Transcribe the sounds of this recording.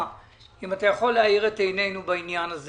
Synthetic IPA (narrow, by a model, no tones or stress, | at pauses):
imatajaχo̞lːeaiʁetejne̞jnubainjanaz